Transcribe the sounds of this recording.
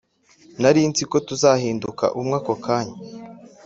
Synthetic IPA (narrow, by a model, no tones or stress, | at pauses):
naɾint͡siko̞tuzaːhiːnduka̰ʔumŋaːkokʰaːɲa